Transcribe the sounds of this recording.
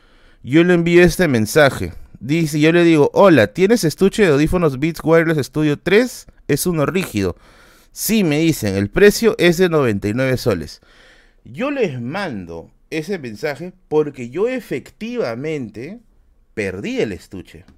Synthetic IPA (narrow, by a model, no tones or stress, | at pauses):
jo̞leːmbioest̪e̞mẽ̞nsaxḛðiseʝo̞leðiɣo̞ʔolat̪je̞ne̞sest̪ut͡ʃeðeoðifonozβit̪sɡwaes̬est̪uðjot̪ɾe̞s | e̞suno̞rixið̞o̞̰ | sime̞ðiseŋelpɾe̞sjo̞ʔe̞zðe̞no̞β̞e̞nt̪ajnwe̞βeso̞lḛs | ʝo̞lezmãnd̪o̞̰ | e̞semẽnsaxe̞po̞ɾke̞ʝo̞efekt̪iβamẽ̞nt̪e | peɾðie̞lḛst̪ṵt͡ʃḛ